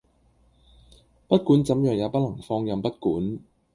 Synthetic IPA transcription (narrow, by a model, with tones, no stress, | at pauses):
pɐ˥t̚kuː˨˥nt͡sɐ˨˥mjœː˨˩ŋjaː˨˧pɐ˥t̚lɐ˨˩ŋfɔː˧ŋjɐ˨˧mpɐ˥t̚kuː˨˥n